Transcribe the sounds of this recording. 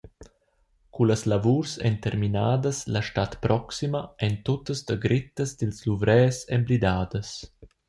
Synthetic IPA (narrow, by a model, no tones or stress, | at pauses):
kuləslavuːɾsɛ̰nt̪ɛɾminaːd̪əslaʃtat̪pɾʔɔksimaɛnt̪ɔt̪əsd̪əɡɾit̪əsd̪ilsluvɾɛːsɛmbɾid̪aːd̪əs